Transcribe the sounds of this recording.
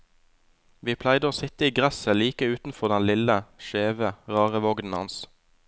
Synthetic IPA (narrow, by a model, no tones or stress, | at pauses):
ʋiːpʰlæɪd̪əoːsɪt̪əiːɡʁæsəliːkəʉːt̪n̩fɔʁd̪ɛnlɪləʃeːʋəʁɑːʁəʋɔɡd̪n̩hɑ̰ns